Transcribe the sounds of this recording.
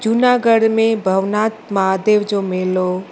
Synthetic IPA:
d͡ʒʊnaːɡəɽmẽbʱəʋnaːt̪maːd̪eːʋd͡ʒomɪlo

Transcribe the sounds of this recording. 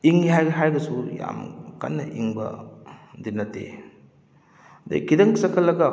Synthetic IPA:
iŋːiɦajɡɐɦajbɐsuja̰mka̰nːɐ̰ʔiŋbɐ̰dinːɐtːḛ | dḛkidɐŋsɐkʰɐlːɐɡɐ

